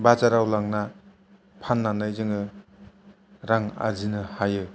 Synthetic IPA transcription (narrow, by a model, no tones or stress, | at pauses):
bat͡ʃaɾawlaŋna | pʰanːanajzɯŋɯ | ɾaŋa̰zinɯhajɯ